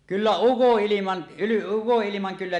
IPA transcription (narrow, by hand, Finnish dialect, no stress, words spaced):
kylːæ ukoʔːilimɑn ukoʔːilimɑŋ kylːæ